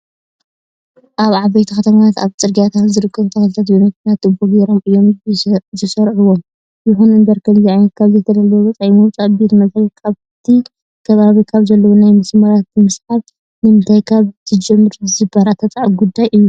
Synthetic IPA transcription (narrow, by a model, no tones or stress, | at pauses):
ʔaβʕaβejt̪ʰixɐt̪ʰɐmaat̪aβt͡sʼɨɾɡijat̪ʰat̪zɨɾɨkʰːɐβt̪ʰɐxɐlt̪ʰat̪bonɐt̪nat̪ːɨboɡeɾo̞mʔɨjo̞mzɨsɐɾʕuwom | jɪxunɨnd̪ɐɾkʰɐmziajnɐt̪̚kʰaβzɐt̪ʰɐd̪ɐlːɐwoβɐt͡sʼɐʔimut͡sʼɐbit̪mɐsʼajikʰaβ | t̪ʰi | kʰɐβaβikʰaβzɐlːɐwonajmɨsmɐɾat̪̚bɨmɨsħaβ | nɨmɨnt̪ʰajkʰaβt̪ʰɨd͡ʒɛmːɨɾɨzɨbaɾat̪ʰɐt͡sʼaʕɡud̪ːajʔɨjːu